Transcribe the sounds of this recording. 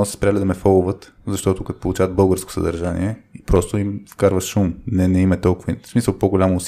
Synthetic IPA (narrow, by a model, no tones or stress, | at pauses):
sspɾjalid̪ɐmɛfəlˠʊvət̪ | zɐʃt̪ɔt̪ʊkɐt̪o̥polˠut͡ʃavəd̪̚bɤlˠɡəɾsko̥sɐ̰d̪ɐ̰ɾʒanḭɛipɾɔst̪oimfkaɾvəʃʃumnɛnɛimɐt̪ɔlˠkʊvəsmisəlˠpoɡolʲamːs